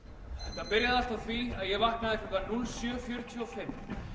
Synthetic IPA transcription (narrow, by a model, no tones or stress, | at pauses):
t̪aðpɪɾjaðast̪aθviaðjɛɣvahknaðɪk̪ʏk̪aɾnunsjœːfjœːɾʏt̪ʰyɔfɪm